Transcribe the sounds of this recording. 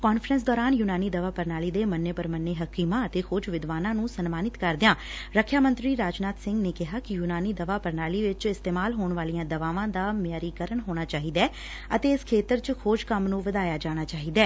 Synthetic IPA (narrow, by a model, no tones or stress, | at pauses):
kɔːnfʰɾəns̬d̪ɔːɾaːnjuːnaːniːd̪əʋaːpəɾnaːliːd̪eːmənːeːpəɾmənːeːɦəkiːmãːət̪eːkʰoːd͡ʒʋɪd̪ʋaːnãːnũːsənmaːnɪt̪kəɾd̪ɪjãːɾəkʰjaːmə̃nt̪ɾiːɾaːd͡ʒnaːt̪sɪ̃ŋɡneːkɪɦaːkɪjuːnaːniːd̪əʋaːpəɾnaːliːʋɪt͡ʃɪst̪eːmaːlɦoːɳʋaːlijãːd̪əʋaːʋãːd̪aːmɪjaːɾiːkəɾəɳɦoːɽ̃aːt͡ʃaːɦiːd̪ɛː | ət̪eːɪskʰeːt̪əɾt͡ʃəkʰoːd͡ʒkəmnũːʋəd̪aːjaːd͡ʒaːɽ̃aːt͡ʃaːɦiːd̪ɛː